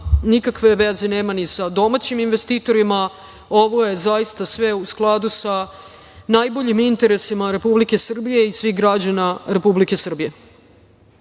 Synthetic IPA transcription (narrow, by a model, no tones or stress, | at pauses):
nikakʋe̞ʋezeneːmanisad̪o̞mat͡ɕiminʋe̞st̪iːt̪o̞ɾima | o̞ʋo̞jezajist̪asʋe̞usklˠad̪usa | najbo̞ʎimint̪e̞ɾesimaɾe̞publike̞sr̩bije̞isʋixɡɾad͡ʑanaɾe̞publike̞sr̩bije̞